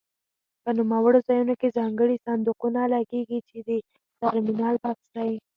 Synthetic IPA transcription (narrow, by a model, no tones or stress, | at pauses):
pənumawəɽozɑjunokezɑŋɡəɽisand̪uqunalɑɡeɡit͡ʃed̪ə | t̪aɾminɑlpaksaji